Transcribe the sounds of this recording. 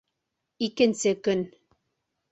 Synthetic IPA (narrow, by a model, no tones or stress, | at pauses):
ikɘ̆nsɘkɵn